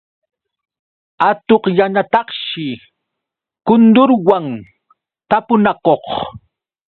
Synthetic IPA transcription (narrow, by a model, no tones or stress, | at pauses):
at̪oqjanat̪ɑχʃɪ | kʊnd̪ʊɾwaŋ | t̪apʊnakoχ